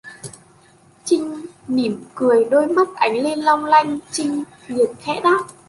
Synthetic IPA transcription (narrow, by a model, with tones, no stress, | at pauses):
t͡ɕï˧ŋ̟ | ni˧˩mkɨ˨˩əjɗoː˧jma˦˥t̚ʔa˨˦jŋ̟le˧nlɔ˧wŋ͡mla˧jŋ̟t͡ɕï˧ŋ̟ | vi˨˩ət̚xʰɛ̰˧˥ɗaː˦˥t̚